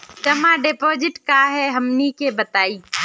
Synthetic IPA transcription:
d͡ʒɐmãɖeːpoːd͡ʒɪʈkaɦɛɦɐmnikebɐt̪aːiː

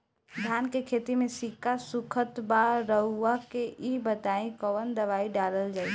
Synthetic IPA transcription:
d̪ʱjankekʰet̪imesikːasukʰət̪baɾəɦuakeʔibət̪aĩkəʋənd̪əʋaiɖaləld͡ʒaːj

